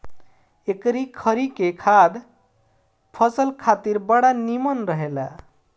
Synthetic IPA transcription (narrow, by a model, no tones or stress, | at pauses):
ekɾikʰəɾikekʰad̪ | pʰʌsəlkʰat̪iɾbəɽanimənɾəɦela̰